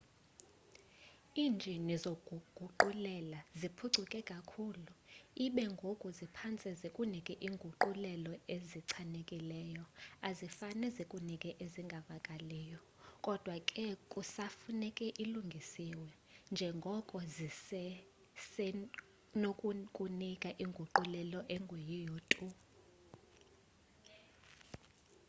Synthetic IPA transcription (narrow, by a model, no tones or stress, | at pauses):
iːnd͡ʒʱinizoɡʱuɡ̥ʱuǃulɛlazipʰuǀʱukʼɛkʼakʰuːluiɓɛŋɡʱokʼuzipʰant͡sʼɛzekʼunikʼɛʔiŋɡʱuǃulɛlɔeziǀʰanekʼilɛːjɔazifanɛzekʼunikʼɛʔeziŋɡʱavakʼalɛːjɔ | kʼɔd̥ʱwakʼɛkʼusafunɛkʼɛʔiluŋɡʱisiwɛ | nd͡ʒʱɛŋɡʱɔkʼɔzisɛ | sɛ | nokʼukʼunikʼaʔiŋɡʱuǃulɛlɔʔɛŋɡʱojijoːtʼu